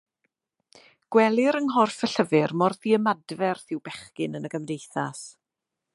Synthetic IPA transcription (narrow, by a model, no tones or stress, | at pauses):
ɡ̥wɛlˠɪɾənɦɔrfəɬəvɨrmɔrðiəmadvɛrθɪwbɛχkɪnənəɡəmdejθas